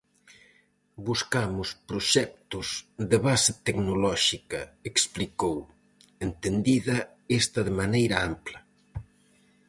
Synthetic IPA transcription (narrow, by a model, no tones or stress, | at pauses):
buskamʊspɾoʃɛk̚t̪ʊzðeβasɪt̪eknolɔʃikɐeksplikow | ent̪end̪iðɐ | est̪ɐðɪmanejɾɐamplɐ